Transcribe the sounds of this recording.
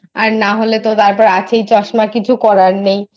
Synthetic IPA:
aɾnaɦolet̪ot̪aɾpɔɾeat͡ɕʰejt͡ɕɔʃmakit͡ɕʰukɔɾaɾnej

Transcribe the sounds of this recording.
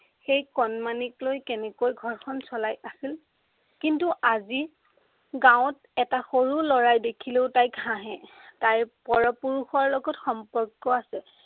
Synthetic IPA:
xejkɔnmaniklojkɛnɛkojɡʱɔɹkʰɔnsɔlajʔasil | kintuʔazi | ɡãw̃t | ɛtaxoɹulɔɹajdekʰileʊtajkɦãɦɛ̃tajpɔɹɔpuɹuxɔɹlɔɡɔtxɔmpɔɹkːɔasɛ

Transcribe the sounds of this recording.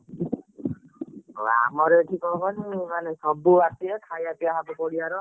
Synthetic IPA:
wa̰mɔɾɛʈʰikɔkʰɔnimanɛsɔbubasiɛkʰajapiaɦabɔpɔɽiaɾɔ

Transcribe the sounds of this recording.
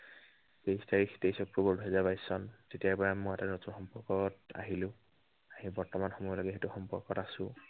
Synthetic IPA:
pejstaɹixtejsɔkɹɔbɔɹduɦɛzabajsɔntetijapɔamɔjatanotuxɔmpɔɹkɔta̰ɦilʊ̃ | aɦibɔɹtɔmanxɔmɔjɔlɔɡɛɦetuxɔmpɔɹkɔtasʊ̃

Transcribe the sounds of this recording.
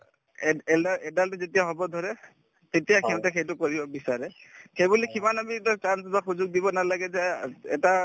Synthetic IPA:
ɛɛldaɛdaltuzetijaɦɔbɔd̪ʱɔɹɛ | t̪etijakʰinɔtɛxejtʊkɔɹibɔbisaɹɛxejbulikimanabitakansɔbaxuzʊɡ̚dibɔnalaɡɛzɛɛta

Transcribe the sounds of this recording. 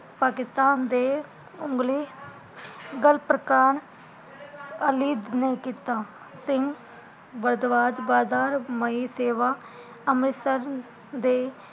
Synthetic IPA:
paːkɪst̪aːnd̪eː | ʊ̃ŋɡleː | ɡəlpɾəkaːn | əliːd̪neːkiːt̪aː | sɪŋɡ | bəɾd̪ʋaːd͡ʒbaːzaːɾməiːseːʋaː | əmɾɪsəɾ | d̪eː

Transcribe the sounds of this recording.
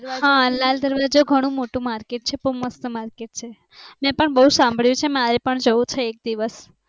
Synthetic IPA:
ɦãlald̪əɾʋad͡ʒoɡʱəɽ̃ũmoʈũmaɾkeʈ̚t͡ʃʰepuməst̪əmaɾkeʈ̚t͡ʃʰe | mɛ̃pəɳbəɦusãmbʱəɭjũt͡ʃʰemaɾepəɳd͡ʒəũt͡ʃʰeːk̚d̪iʋəs

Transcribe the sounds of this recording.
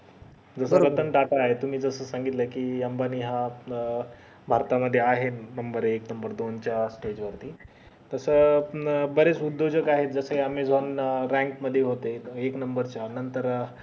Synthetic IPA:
d͡zəsəɾət̪ənʈaʈaaɦet̪um̤iːd͡zəsəːsaŋɡit̪ləkiːjambaniɦã | bʱaɾt̪aməd̪ʱːjeaɦenəmbəɾeknəmbəɾd̪ont͡ɕjasʈed͡ʑʋəɾt̪iː | t̪əsə | bəɾet͡sud̪ʱːod͡ʑəkaɦet̪̚d͡zəsəɦiamed͡zʱonɾɛ̃ŋkməd̪ʱːjeɦot̪eeknəmbəɾt͡ɕanənt̪əɾ

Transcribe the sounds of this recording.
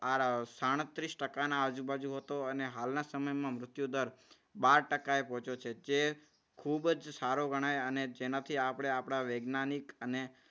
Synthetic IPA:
asaɽ̃t̪ɾisʈəkanãəd͡ʒubad͡ʒuɦət̪oəneɦalnasəməjmãmɾʊt̪jud̪əɾ | baɾʈəkaepɔ̃t͡ʃʰot͡ʃʰed͡ʒe | kʰubd͡ʒsaɾoɡəɽ̃aeəned͡ʒenat̪ʰiapəɽ̃eapɽ̃aʋeɡnanikəne

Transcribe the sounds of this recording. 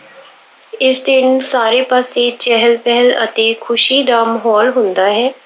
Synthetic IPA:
ɪsd̪ɪnsaːɾeːpaːseːt͡ʃɛɦəlpɛɦɛlə̰t̪eːkʰʊʃiːd̪aːməɦɔːlɦʊnd̪aːɦɛː

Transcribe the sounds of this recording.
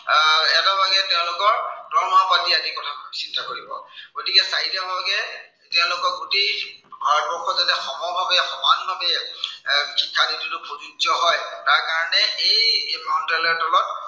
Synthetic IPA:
ɛtabaɡɛtɛʊ̃lʊkɔɹdɔɹmapatiazikɔtʰasintakoɹibɔ̰ɡ̥otikɛsaidamɔɡɛ | tɛʊ̃lʊkɔɹɡutejbʱaɹbɔɹkʰːɔzatɛxɔmɔbʱabɛxɔmanbʱabɛ | xikʰːaditʰinʊpʰozuzɔɦɔjtaɹkaɹɔnɛejmantɛlɔɹtʰɔlɔt̚

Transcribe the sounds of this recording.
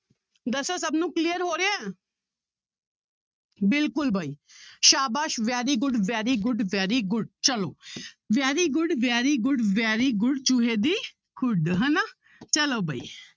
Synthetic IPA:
d̪əsosəbnũːklijəɾɦoːɾeeː | bɪlkʊlbʱaːiːʃaːbaːʃʋjaːɾiːɡʊɖʋaːɾiːɡʊɖʋɛːɾiɡʊɖt͡ʃəloː | ʋjaːɾiɡʊɖʋaːɾiɡʊɖʋaːɾiːɡʊɖt͡ʃʊɦed̪iː | kʊɖɦəna | t͡ʃəloːbʱaːḭː

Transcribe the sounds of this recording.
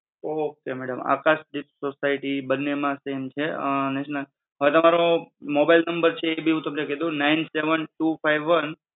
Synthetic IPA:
okemɛɽəma̰kaʃɖipsosaiʈibənːemãsemt͡ʃʰenɛʃnəl | ɦəet̪əmaɾomobailnəmbəɾt͡ʃʰeːbʱiɦũt̪əmneked̪ũnainseʋənʈufaiʋːən

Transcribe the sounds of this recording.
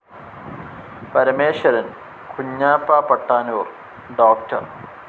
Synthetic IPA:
pɐɾɐmeːʂɐɾɐn | kʰuɲːaːpːaːpɐʈːaːnur | ɖoːk̚tʰɐ̰r

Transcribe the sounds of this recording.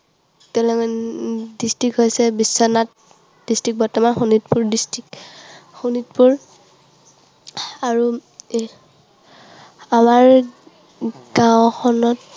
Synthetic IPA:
tɛlɛmɔndistɹikɦojsɛbisːɔnat̚ | d̥istɹik̚bɔɹtɔmanxunit̚puɹdistɹikxunitpuɹ | aɹu | amaɹ | ɡ̥awxʰɔnɔt

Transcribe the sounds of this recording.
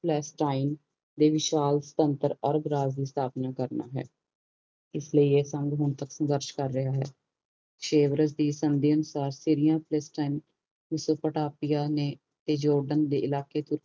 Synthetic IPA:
pʰlɛːsʈaːin | d̪eːʋɪʃaːlsə̥t̪ənt̪əɾəɾbɾaːzd̪iːst̪ʰaːpnaːkəɾna̰ːɦɛ̰ː | ɪsləiːeːsə̃ŋɡɦʊɳt̪əksɡəɾʃkəɾːəɦaːɦɛː | kʃeːʋɾəsd̪iːsənd̪iːənʊsaːɾsiɾijãːpʰlɛːsʈaːin | mɪsoːpəʈaːpɪjaːneː | t̪eːd͡ʒɔːɾɖənd̪eːɪlaːkeːt̪ʊɾ

